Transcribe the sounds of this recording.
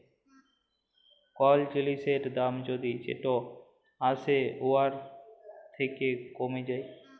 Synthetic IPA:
kɔld͡ʒiliseʈd̪amd͡ʒod̪id͡ʒḛʈo | aseoaɾ | t̪ʰekekomed͡ʑaj

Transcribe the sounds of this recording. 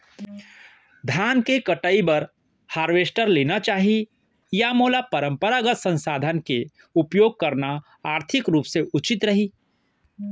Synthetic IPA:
d̪ʱjaːnkekəʈəibɐɾ | haːɾʋeːsʈəɾleːnat͡ʃaːɦi | jamoːlapəɾə̃mpəɾaɡət̪sə̃nsaːd̪ʱənke | ʊpjoːɡ̚kɐɾna | aːɾt̪ʰɪkɾuːpseʔʊt͡ʃɪt̪ɾəɦiː

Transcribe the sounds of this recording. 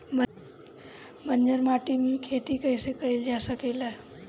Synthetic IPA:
b | bənd͡ʒəɾmaʈimekʰet̪ikəjsekəild͡ʒasəkeləɦ

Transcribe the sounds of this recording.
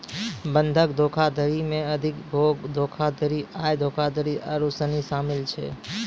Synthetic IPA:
bənd̪ʱəkd̪ʱokʰad̪ʱəɾimẽəd̪ʱɪkbʱoɡd̪ʱokʰad̪ʱəɾiajd̪ʱokʰad̪ʱəɾiəɾusənisamɪlt͡ʃʰḛ

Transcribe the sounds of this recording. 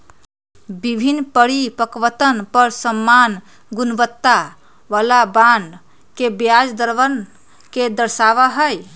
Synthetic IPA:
bibʱinpəɽipəkʋət̪ənpəɾsəmːan | ɡunʋət̪ːa | ʋalaban | kebjad͡ʒd̪əɾʋən | ked̪əɾsaʋaɦəj

